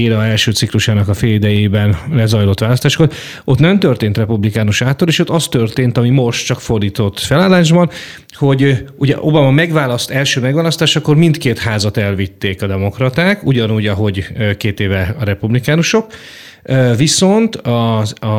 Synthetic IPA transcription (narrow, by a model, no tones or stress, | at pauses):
eːɾɒɛlʃøːt̪sikluʃaːnɒkɒfeːlid̪ɛjeːbɛnlɛzɒjlo̞t̪ʋaːlɒst̪aːʃkot̪ | ʔo̞t̪nɛmt̪ørt̪eːnt̪rɛpublikaːnuʃaːt̪ːoleːʃot̪ːɒst̪ørt̪eːnt̪ɒmimo̞ʃt̪t͡ʃɒkfo̞rd̪iːt̪o̞t̪ːfɛlaːlːaːʒbɒn | ho̞ɟuɟɛ̰ʔo̞̰bɒmɒmɛɡvaːlɒst̪ɛlʃøːmɛɡvaːlɒst̪aːʃɒkːo̞rmint̪keːt̪haːzɒt̪ɛlvit̪ːeːkɒd̪ɛmo̞krɒt̪aːkuɟɒnuːɟɒɦo̞ɟøkeːt̪eːvɛɒɾɛpublikaːnuʃo̞k | øviso̞nt̪ɒ